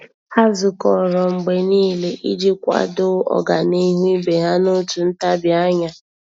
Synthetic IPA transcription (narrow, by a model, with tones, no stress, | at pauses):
ha˦zʊ˨kɔ˨ɾɔ˨ŋ͡m̩˨ɡ͡be˨niː˦le˦ʔi˦d͡ʒi˦kʷa̰˦dʊ˦ɔ̰˨ɡa˨ni˦ɦi˦be˨ɦa˦no˦tu˨n̩˦ta˦bja˦ɲa˦